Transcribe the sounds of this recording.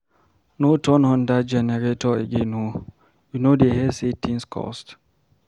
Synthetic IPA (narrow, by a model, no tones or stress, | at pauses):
notʰɔ̃nhɔ̃ndad͡ʒɛnɛɹetɔḛɡeno | junodeɦɛsetʰĩnskʰɔ̰st